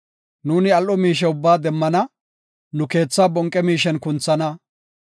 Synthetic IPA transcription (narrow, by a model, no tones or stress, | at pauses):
nuːnɪɐlʔɔmiːʃ̬ɛʊbːaːd̪ɛmːɐnɐ | nʊke̞ːt͡sːaːbɔŋkʼːɛmiːʃ̬ɛnkʊnt͡sːɐnɐ